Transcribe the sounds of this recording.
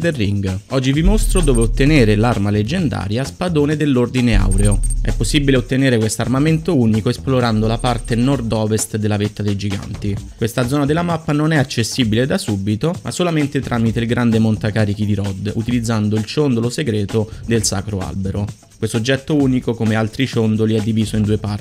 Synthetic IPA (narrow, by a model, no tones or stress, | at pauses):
d̪erːiŋɡɔd͡ʒːivimost̪ɾod̪oːveot̪ːeneːɾelarmaled͡ʒːend̪a̰ːɾjaspad̪oːned̪elːord̪inea̰wɾeoɛ̰pːosːibileot̪ːeneːɾekwest̪oarmament̪ouːnikoesploɾand̪olapart̪enɔrd̪ɔːvest̪d̪elːavet̪ːad̪ejd͡ʒiɡa̰nt̪ikwest̪ad̪zːɔːnad̪elːamapːanonɛat͡ʃːesːibiled̪asubit̪oma̰sːolament̪et̪ɾʔaːmit̪eilɡɾand̪emont̪akaːɾik̟id̪iɾɔd̪ṵt̪ilid̪zːand̪oilt͡ʃond̪oloseɡɾɛːt̪od̪elsa̰ːkɾoa̰lbeɾo | kwest̪od͡ʒːɛt̪ːouːnikokomealt̪ɾit͡ʃond̪oliɛd̪ːiviːzoind̪uːepar